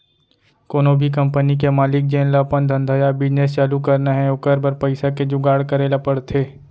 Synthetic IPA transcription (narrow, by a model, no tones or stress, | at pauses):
koːnobʱik̬ɐ̃mpənik̬emaːlɪk̚d͡ʒẽːnlapənd̪ʱɐ̃nd̪ʱajabɪd͡ʒnest͡ʃaːlukɐɾnaɦɛ̃ʊkəɾbɐɾpɐɪsaked͡ʒʊɡaːɽkɐɾeːlapɐɽt̪ʰeː